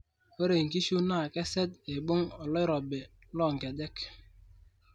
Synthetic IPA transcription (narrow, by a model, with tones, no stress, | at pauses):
o˦ɾe˨ŋ˨k̬i˦ʃu˦na˦˨kɛ˦sɛ˦te˨ɓʊ˦ŋɔ˨lɔ˦jɾɔ˨be˨ | lɔ˦˨ŋ˨kɛ˨dɛ˦k